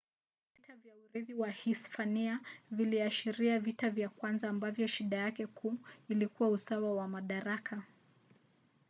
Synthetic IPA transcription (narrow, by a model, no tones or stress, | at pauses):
vvitavjauɾiðiwahispaniaviliaʃiɾiavitavjakwanzaːmbavjɔʃiɗajakɛkʰuilikuwausawawamaɗaɾaka